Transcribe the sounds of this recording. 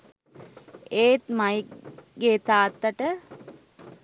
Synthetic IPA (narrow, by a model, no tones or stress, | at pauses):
eːt̪majiɡeːt̪aːt̪ːəʈə